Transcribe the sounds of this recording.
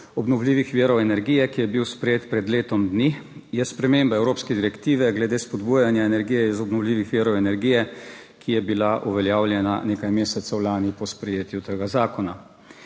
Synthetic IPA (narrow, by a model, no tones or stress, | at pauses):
ɔbnɔwliːʋixʋiːɾɔwɛnɛɾɡiːjɛkijɛbiwspɾɛjeːt̪pɾɛd̪leːt̪ɔmd̪nijɛspɾɛmeːmbaɛwɾoːpskɛd̪iɾɛkt̪iːʋɛɡlɛd̪eːspɔd̪buːjanjaɛnɛɾɡiːjɛizɔbnɔwliːʋixʋiːɾɔwɛnɛɾɡiːjɛkʰijɛbilaʔuʋɛljaːwlʲjɛnaneːkajmeːsɛt̪sɔwlaːnipɔspɾɛjeːt̪jut̪əɡazaːkɔna